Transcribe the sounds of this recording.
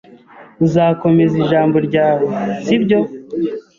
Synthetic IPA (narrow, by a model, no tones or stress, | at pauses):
uzaːko̞me̞ziʒaːmbo̞ɾɟaːwosibɟo̞